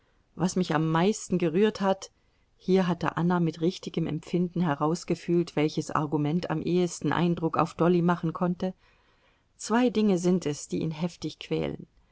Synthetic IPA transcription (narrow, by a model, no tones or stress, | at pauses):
vasmɪça̰mːaɪstn̩ɡəʁyːɐthat | hiːɐɦatə̰ʔa̰namɪtʁɪçtɪɡəmɛ̰mpp͡fɪndn̩ɦɛʁaʊsɡ̥əfyːltv̥ɛlçəsa̰ɐɡumɛntʰa̰mʔeːəstn̩ʔa̰ɪndʁʊka̰ʊfd̥ɔlimaχn̩kʰɔntə | t͡sv̥aɪdɪŋəzɪntʰɛsd̥iːʔḭːnɦɛftɪçkʰv̥ɛ̰ːlə̰n